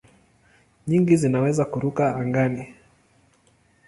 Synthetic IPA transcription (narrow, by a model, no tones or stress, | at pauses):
ɲiŋɡizinawɛzakuɾukaːŋɡani